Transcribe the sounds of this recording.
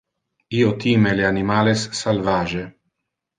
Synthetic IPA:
iot̪imeleanimaːlesːalvaːʒe

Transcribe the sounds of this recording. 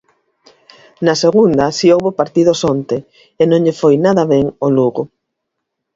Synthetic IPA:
nɐseɣund̪ɐsiowβopaɾt̪ið̞osont̪e | enõŋʎefojnaðɐβeŋoluɣʊ

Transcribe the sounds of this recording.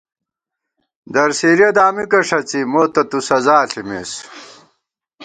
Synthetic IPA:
d̪ɐɾsiːɾjɐd̪aːmikɐʂɐt͡simoːt̪ɐt̪usɐzaːɬimḛːs

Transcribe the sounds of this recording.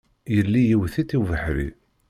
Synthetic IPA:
jəlːijiwθit̪ːiwvəħɾḭ

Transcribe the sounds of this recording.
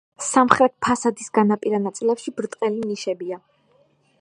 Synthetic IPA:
samχɾɛt̪̚pʰasad̪isɡanapʼiɾanat̪sʼilɛpʃibɾt̪ʼqʼɛliniʃɛbia

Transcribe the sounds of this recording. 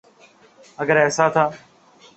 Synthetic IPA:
əɡəɾɛːsaːt̪ʰaː

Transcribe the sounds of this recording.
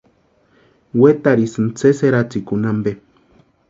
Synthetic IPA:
wet̪aɾisɨnt͡seseɾat͡sikunambe

